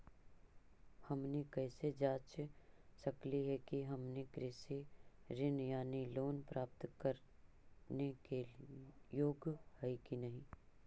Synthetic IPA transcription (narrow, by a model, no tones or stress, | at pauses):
hɐmnikɛːsed͡ʒaːt͡ʃsɐkliɦɛkiɦɐmnekɾɪsiɾɪnjaːniloːnpɾaːp̚t̪kɐɾ | neke | joːɡhɛikinɐɦĩː